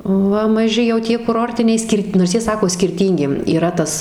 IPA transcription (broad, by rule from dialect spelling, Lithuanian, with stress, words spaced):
ˈʋɐ mɐˈʒʲɪ jɛʊ ˈtʲiɛ kʊˈroːrʲtʲɪnʲɛɪ ˈsʲkʲɪrʲtʲ noːrs ˈjiɛ ˈsɑːkoː sʲkʲɪrʲˈtʲiːŋʲɡʲɪ iːˈrɐ ˈtɐs